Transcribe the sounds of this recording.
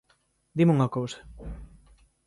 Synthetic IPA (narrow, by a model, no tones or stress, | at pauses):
d̪imuŋɐkowsɐ̥